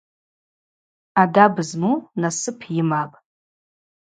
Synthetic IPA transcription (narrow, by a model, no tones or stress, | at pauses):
adabɨzmunasɨpʰjɪmapʼ